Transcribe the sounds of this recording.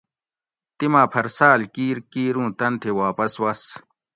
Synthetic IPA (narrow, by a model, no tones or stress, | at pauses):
t̪imaːpʰɐɾsaːlkiːɾkiːɾũːt̪ɐnt̪ʰewaːpɐswɐs